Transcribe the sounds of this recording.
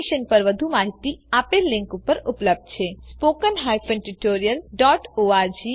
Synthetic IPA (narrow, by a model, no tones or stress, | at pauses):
ʃənpəɾʋəd̪ʱumaɦit̪iapelːɪ̃ŋkupəɾupləb̚d̪̚t͡ʃʰespokənɦajfə̃nʈiʈoɾijəlɖɔʈoaɾd͡ʒi